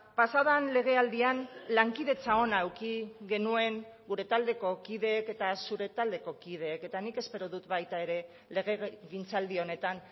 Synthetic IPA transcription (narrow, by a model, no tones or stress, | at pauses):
pasaoðanle̞ɣ̞e̞ald̪ianlaŋkiðe̞t͡sao̞naewkiɣe̞nue̞ŋɡuɾe̞t̪ald̪e̞ko̞kiðe̞ːke̞t̪asuɾe̞t̪ald̪e̞ko̞kið̞e̞ːke̞t̪anike̞spe̞ɾoðut̪bajt̪ae̞ɾe̞ | le̞ɣ̞e̞ɣint͡sald̪io̞ne̞t̪an